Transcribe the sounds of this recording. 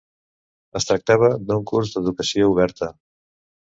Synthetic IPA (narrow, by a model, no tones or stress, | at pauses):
əst̪ɾək̚t̪aβ̞əd̪uŋkuɾzd̪əðukəsiouβ̞ɛɾt̪ə